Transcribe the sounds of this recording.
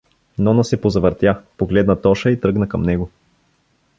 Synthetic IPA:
nɔnɐsɛpozɐvəɾt̪japoɡlɛd̪nɐt̪ɔʃəit̪ɾɤɡnəkɐmnɛɡo

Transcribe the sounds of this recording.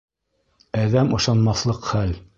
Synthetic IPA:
æðæmɤ̆ʃɑnmɑθlˠɤqχæl

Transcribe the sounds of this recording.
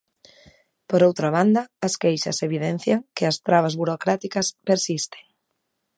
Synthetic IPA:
poɾowt̪ɾaβand̪ɐːskejʃɐ̰seβ̞iðen̟θjaŋkɪɐst̪ɾaβazβuɾokɾat̪ikɐspeɾsist̪e̥ŋ

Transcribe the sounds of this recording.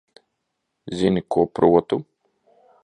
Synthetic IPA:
zʲinikupɾuɔt̪u

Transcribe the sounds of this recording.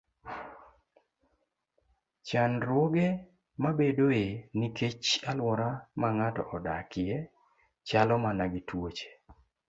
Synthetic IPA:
t͡ʃanɾwoɡe | mabedoenɪket͡ʃalwɔɾamaŋatɔ̰ʔɔdakɪje | t͡ʃalɔmanaɡɪtwot͡ʃe̥

